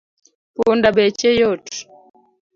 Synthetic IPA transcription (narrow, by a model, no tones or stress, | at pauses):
pundabɛt͡ʃɛjɔt